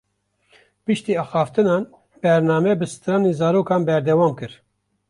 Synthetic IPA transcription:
pɨʃt̪iːɑːxɑːft̪ɨnɑːn | bɛɾnɑːmɛbɨsɨ̥t̪ɨɾɑːniːzɑːɾoːkɑːnbɛɾd̪ɛwɑːmkɨɾ

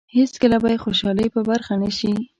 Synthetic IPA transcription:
heskəlabɑj̪xoʃɑləjpəbaɾxanaʃi

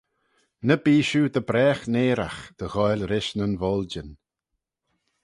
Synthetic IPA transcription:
nəbiːʃud̪əbɾɛːxneːɾa̰xd̪̥əɣɔjlɾɪʃnənvɔld͡ʒən

